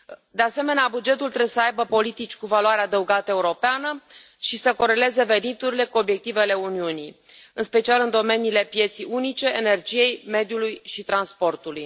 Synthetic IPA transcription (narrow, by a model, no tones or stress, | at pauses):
d̪ease̞me̞neabud͡ʒe̞t̪ult̪ɾeesəajbəpo̞lit̪it͡ʃʲkuvaloaɾead̪əuɡat̪əe̞uɾo̞peanə | ʃisəko̞ɾe̞le̞ze̞ve̞nit̪uɾile̞kuo̞bje̞k̚t̪ive̞le̞uniunḭj | ɨnspe̞t͡ʃialɨnd̪o̞me̞nile̞pje̞t̪sijunit͡ʃe̞ːne̞rd͡ʒije̞jme̞d̪julujʃit̪ɾanspo̞rt̪uluj